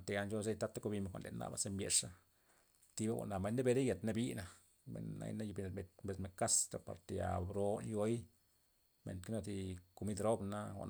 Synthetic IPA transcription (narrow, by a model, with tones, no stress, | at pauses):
t̪e˧ja˧nt͡ʃo˧ze˦t̪a˧t̪ːa˦ko˧bi˧me˨kʷa̰˨nle˨nːa̰˨ba̰˨se˧mbjḛ˧ʂa˦ | t̪i˧ba˦ɡʷa̰˨ʔna˨ma˧nd̪e˦be˧ɾe˦ja˨t̪na˧bi˦na˧ | mḛ˨nːa̰˧jna˦ju˧bi˧ne˨mbe˧t̪mbe˧sme˧ka˦st̪a˨pa̰˨ɾt̪e˨ja̰˨bɾo˧˦njo˦j | mḛ˨nt̪ke˦no˧t̪i˧ku˧mi˦d̪ɾo˦bna˦wa̰˨n